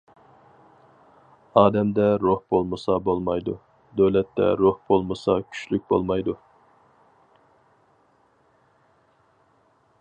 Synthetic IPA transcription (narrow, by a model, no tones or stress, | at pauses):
ɑːd̪ɛmd̪ɛɾohbolˠmɨsɑbolˠmɑjd̪u | d̪øwlɛt̪ːɛ̰ɾohb̥olˠmɨsɑkʲʰy̥ʃlyk̚ʲbo̰lˠmɑjd̪u